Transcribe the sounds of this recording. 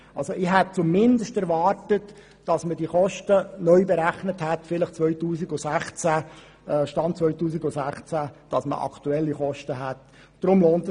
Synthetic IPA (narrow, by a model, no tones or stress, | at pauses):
ɑlsoʔɪɦɛt̚t͡sumɪndəʃtæɾvɑːrtət | d̥ɑsməd̥iːχɔʃtənœʏbɛɾæχnəthɛtfɪləχt͡sʋœʏtuːsiɡʊsæχt͡sæ | ɛʃtɑnt͡sʋœʏtuːsiɡʊsæχt͡sæd̥ɑsmə̰ʔɑ̰kʰtuɛlːiχɔʃtəɦɛt | d̥ɾʊmloːnt